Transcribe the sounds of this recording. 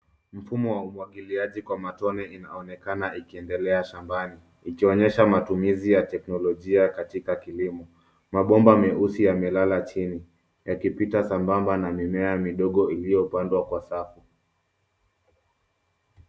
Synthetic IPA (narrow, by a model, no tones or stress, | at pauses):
m̩fumɔwaumwaɠiliaʄikwamatɔnɛina̰ɔnɛkanaʔikiɛndɛlɛaʃambani | ikiɔɲɛʃamatumizijatɛknɔlɔʄiakatikakilimɔ | maɓɔmbamɛusijamɛlalat͡ʃini | jakipitasambambanamimɛamiɗɔɠɔilijɔpandwakwasafu